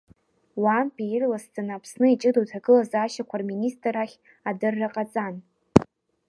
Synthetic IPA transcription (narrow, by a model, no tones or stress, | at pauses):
wampʼijirlasd͡zʼanapʰsnɨit͡ʃʼɨdowtʰaɡɨlazaːʃakʷʰarministʼraχʲ | adɨrːaqʼat͡sʼan